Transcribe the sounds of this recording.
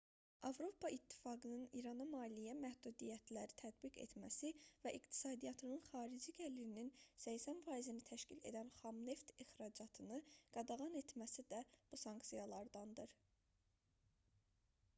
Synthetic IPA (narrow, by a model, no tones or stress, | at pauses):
ʔɑvɾo̞pʰɑʔit̪ʰːi̥fɑɡɯnɯnḭɾɑnɑmɑːlijæmæhd̪ud̪ijæt̪ʰlæɾit̪ʰæd̪biɡḛt̪mæsivæʔikt̪ʰi̥sɑːd̪ijɑt̪ʰɯnɯnχɑːɾid͡ʒiɟælːiɾininsæjçsænfɑːizinit̪ʰæʃcʰile̞̰d̪ænχɑmne̞ft̪ixɾɑd͡ʒɑt̪ʰɯnɯɡ̥ɑd̪ɑʁɑne̞t̪mæsid̪æb̥usɑŋksijɑlˠɑɾd̪ɑnd̪ɯɾ